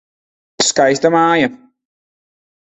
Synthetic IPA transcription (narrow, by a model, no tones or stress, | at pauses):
skajst̪ɐmaːjɐ